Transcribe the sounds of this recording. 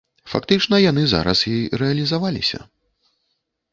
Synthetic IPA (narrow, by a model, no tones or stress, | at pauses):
fa̰kt̪ɨt͡ʂnɐjan̪ɨza̰ɾɐ̰sjijɾɛɐlʲizavalʲḭsʲɐ̰